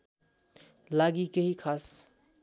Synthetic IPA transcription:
laːɡikeɦikʰaːs

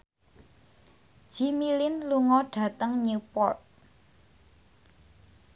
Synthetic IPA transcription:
d͡ʒ̥imilɪnluŋɔɖ̥ä̤t̪əŋɲupɔ̰rt̪̚

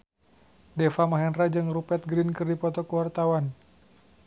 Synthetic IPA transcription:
dɛfamaɦɛnrad͡ʒɨŋrupɛt̪̚ɡɾinkɨrdipɔt̪ɔkəwart̪awan

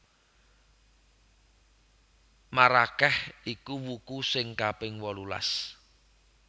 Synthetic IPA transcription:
maɾakɛhikuwukusɪŋkab̥ɪŋwɔlula̰s

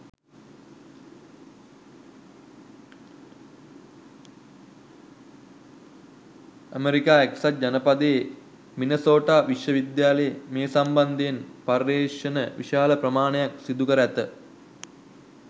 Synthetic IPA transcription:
əmeɾikaːeksat̪̚d͡ʒanəpad̪ee | minəsoːʈaːʋiʂjəʋid̪jaːlejemeːsamband̪ejenparːeːʂənəʋḭʃaːləprɐmaːnəjaksid̪ukəɾæt̪ə

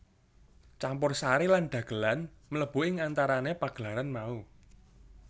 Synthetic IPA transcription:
t͡ʃampʊrsaɾilanɖ̪̥ä̤ɡ̥ə̤lanmələb̥ṳɪŋant̪aɾanepaɡ̥əlaɾanmau

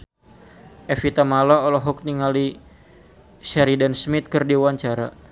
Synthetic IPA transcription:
ʔɛfit̪amalɔːlɔɦɔk̚niŋali | ʃaɾidansmit̪̚kɨrdiwaɲt͡ʃaɾa

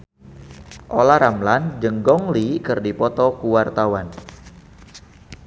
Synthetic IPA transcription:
ʔolaɾamland͡ʒəŋɡɔŋlikərdipɔt̪ɔkuwart̪awan

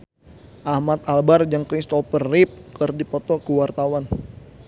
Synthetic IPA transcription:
ʔahmat̪̚albard͡ʒaŋkɾist̪ɔpərip̚kərdipɔt̪ɔkəwart̪awan

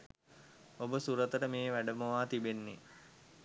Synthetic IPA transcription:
obəsuɾət̪əɾəmeːʋæɖəməʋaːt̪ibenːe

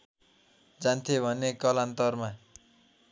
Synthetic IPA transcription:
d͡zant̪ʰiobʱʌnːekʌlant̪ʌrma

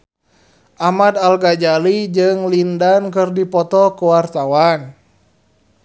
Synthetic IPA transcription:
ʔamadalɡad͡ʒalid͡ʒɨŋlindankɨrdipɔt̪ɔkuwart̪awan

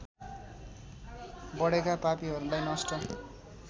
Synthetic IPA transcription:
bʌɽekapapiɦʌɾulajnʌsʈʌ

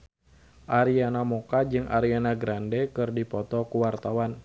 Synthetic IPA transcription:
ʔaɾianamɔkad͡ʒɨŋʔa̰ɾianaɡɾandɛkɨrdipɔt̪ɔkuwart̪awan

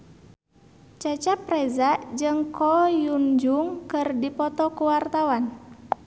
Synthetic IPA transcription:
t͡ʃat͡ʃapɾɛzaʔd͡ʒɨŋkɔjund͡ʒuŋkɨrdipɔt̪ɔkuwart̪awan

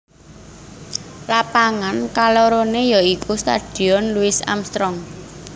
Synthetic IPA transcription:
lapaŋankaloɾonejɔikust̪a̰d̥i̤ɔnluɪsa̰mst̪ɾɔŋ

